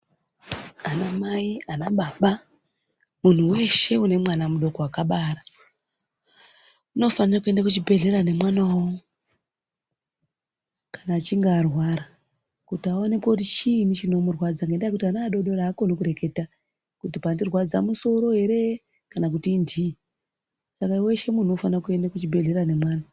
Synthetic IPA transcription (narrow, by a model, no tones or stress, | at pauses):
anamaianaɓaɓa | mun̤uwe̞ʃe̞une̞mwanamuɗo̞koakaɓaːɾa | uno̞fanirakue̞ndakut͡ʃibʱe̞ɮe̞ɾane̞mwanawo | kḁnaːt͡ʃiŋɡaːrwaɾa | kutiaonekwout̬it͡ʃinit͡ʃino̞murwad͡zaŋɡendajekutianaɗo̞ɗo̞raːkonokuɾe̞ke̞ta | kutipandirwad͡za̰muso̞ɾo̞ɦe̞ɾe̞ | kanak̬utiːndiː | sakaiwe̞ʃe̞munuo̞fanrakue̞ndakut͡ʃibʱe̞ɮe̞rane̞mwaːna